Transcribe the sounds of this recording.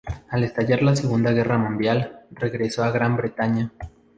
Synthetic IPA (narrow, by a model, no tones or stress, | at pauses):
ale̞st̪aʝaɾlase̞ɣund̪aɣe̞ramũnd̪jalre̞ɣɾe̞so̞aɣɾambɾe̞t̪aɲa